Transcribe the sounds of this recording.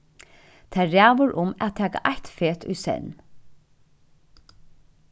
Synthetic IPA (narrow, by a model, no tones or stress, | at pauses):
t̪ʰæɾæːʋʊɹʔʊmæ̰t̪ʰæːka̰ʔæt̪feːt̪ʰʉ̰ːsɛ̰n